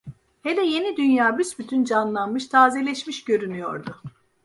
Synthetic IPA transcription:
hed̪ɛje̞nid̪ynjaːbysbyt̪ʰynd͡ʒanlˠanmɯʃt̪ʰaːzelʲɛʃmiʃɟø̞ɾynyjo̞̰ɾd̪ʊ

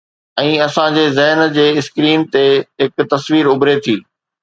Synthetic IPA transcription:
ɛ̃ːɐsãd͡ʑeːzɛɦnd͡ʑeːɪskɾiːnt̪eɦɪkt̪ɐsʋiːɾʊbɾet̪ʰiː

